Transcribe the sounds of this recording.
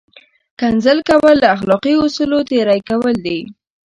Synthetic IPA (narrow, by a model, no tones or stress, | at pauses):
kanzəlkawəlːaaxlɔqiʊsulot̪eɾajkawəld̪e